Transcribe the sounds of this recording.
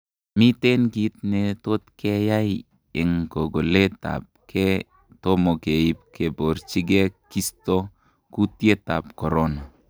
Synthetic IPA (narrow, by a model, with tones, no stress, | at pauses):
mi˦te˦nki˨t̚ne˨to˦t̚kʰe˦ja˦j | e˨ŋko˨ɡo˨le˦ta̰˨p̚kʰe˦ | tomo˨ke˨i˦p̚kʰe˨bo˨ɾt͡ʃi˦ɡe˦ki˦sto˦ | ku˦tje˦ta˨p̚ko˨ɾona˨